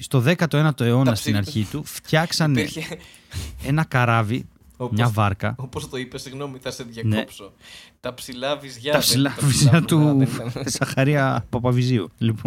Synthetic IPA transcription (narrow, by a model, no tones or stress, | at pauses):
st̪o̞ðe̞kɐt̪o̞e̞nɐt̪o̞e̞o̞nɐst̪inɐɾçit̪uft̪çɐksɐne̞ | e̞nɐkɐɾɐvi | mɲɐvɐɾkɐopost̪oipesiɣno̞miθɐseðʝɐneopsot̪ɐpsilɐvizʝɐɐpsilɐvizʝɐt̪uzɐxɐɾiɐpɐpɐviziṵlipon